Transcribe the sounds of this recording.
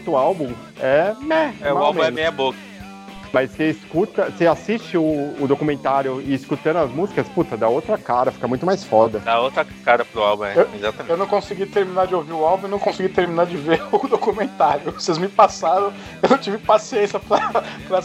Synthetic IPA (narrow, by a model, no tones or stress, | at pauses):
t̪ʊawbũ | ɛɛɛawmũɛmẽjɐbokɐ | mɐsseɪskut̪ɐseasist͡ʃɪʊːd̪okumẽnt̪aɾjʊɪːskut̪ɐ̃nd̪ʊɐzmuzikɐsput̪ɐd̪aowt̪ɾɐkaɾɐfi̥kɐmũj̃t̪ʊmajsfɔd̪ɐd̪aowt̪ɾɐkaɾɐpɾʊawbũɛeezat̪ɐmewnɐ̃w̃kõsiɡit̪eɾminaɾd͡ʒɪowviɾʊawbũenɐ̃kõsɪɡit̪eɾminaɾd͡ʒɪveɾd̪okumẽnt̪aɾjʊsezmɪpasaɾɐ̃w̃ | ewnɐ̃w̃t͡ʃivɪpasiẽsjɐpɾɐpɾɐ